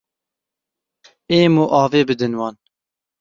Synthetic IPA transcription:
eːmuːʔɑːveːbɨd̪ɨnwɑːn

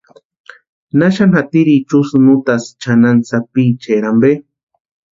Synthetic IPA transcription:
naʃanhat̪iɾit͡ʃusnut̪ast͡ʃanant͡sapit͡ʃeɾambe

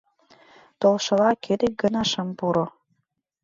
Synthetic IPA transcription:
t̪olˠʃɤ̆lɑkʰed̪ek̚ɡə̆nɑʃəmpuɾo

